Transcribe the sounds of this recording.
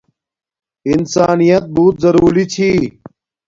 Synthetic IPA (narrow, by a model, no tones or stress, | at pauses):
ɪnsaːnijɐt̪̚buːt̪zɐɾuːɾit͡ɕʰi